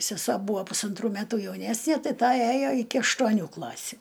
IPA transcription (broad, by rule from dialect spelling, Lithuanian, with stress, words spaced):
sʲɛˈsuɔ ˈbuːɐ pʊsɐnˈtruː ˈmʲæːtuː jɛʊˈnʲæːsʲnʲiɛ ˈtɐɪ ˈtɐ ˈæjoː ɪkʲɪ ɐʃtuɔˈnʲuː ˈklˠɑːsʲʊ